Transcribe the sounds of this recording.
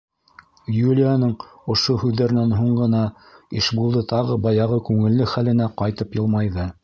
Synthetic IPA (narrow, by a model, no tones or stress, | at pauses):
julʲɪjanɤɴ | ŏʃohʉðːæɾɘ̆nænɦuɴɢɤ̆nɑ | iʃbulˠd̪ɤt̪ʰɑʁɤbɑjɑʁɤkʉŋɘ̆lːɘχælɘ̆næqɑjt̪ɤpjɤ̆lˠmɑjðɤ